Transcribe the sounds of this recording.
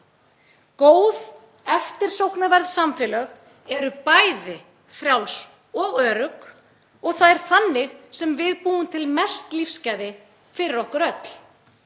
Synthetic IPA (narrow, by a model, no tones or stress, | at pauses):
koːwð | ɛft̪ɪɾ̥sowhknavɛɾðsamfɪlœɣ | ɛɾʏpajðɪ | fɾjaːws | ɔɣœːɾʏk | ɔɣθaðɛɾ̥θanːɪɣsɛmvɪðpuːʏmt̪ʰɪlmɛst̪lifscaːjðɪ | fɪɾɪɾɔhkʏɾœt̪l̥